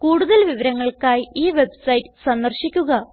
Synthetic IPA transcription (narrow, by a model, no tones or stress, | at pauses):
kuːɽuðɐlʋiʋɐɾɐŋːɐɭkaːjiːʋe̞bsɐjtːɨsɐnd̪ɐrɕikʲːuɣɐ